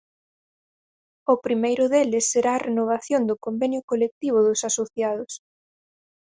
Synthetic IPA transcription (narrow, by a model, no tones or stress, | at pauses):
ʊpɾimejɾʊðelɪsːeɾaːrenoβ̞aθjond̪ʊkombɛnjʊkolek̚t̪iβ̞ʊðʊsasoθjaðʊs